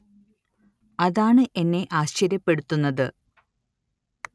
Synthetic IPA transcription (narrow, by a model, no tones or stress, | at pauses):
ɐðaːɳɨʔe̞nːe̞ʔaːɕt͡ɕɐɾjɐpːe̞ɽut̪ːunːɐðɨ